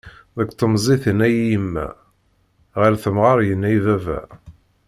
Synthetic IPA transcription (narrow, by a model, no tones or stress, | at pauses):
ðəkt̪ˤːəmzˤiθənæjiəmːæ̰ | ʁaɾθəmʁɑɾˤjənːæjvævæ̰